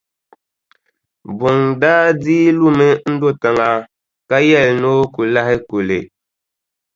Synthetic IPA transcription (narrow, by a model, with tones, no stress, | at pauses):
bu˨ŋdaː˦diː˦lu˦mɨ˦n̩˦do˦ta˨ŋa˨ | ka˦jɛ˦˨lno˦ku˨la˦hɪ˦ku˨lḛ˨